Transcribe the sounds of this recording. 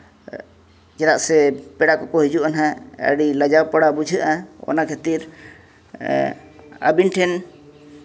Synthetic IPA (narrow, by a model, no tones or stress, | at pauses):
d͡ʒɛɾaʔsɛpɛɽaʔkɔkɔɦid͡ʒuʔanɦaə̰ɽilad͡ʒawpaɽabud͡ʒʱəʔaɔ̰nakʰat̪iɾ | a̰binʈʰɛn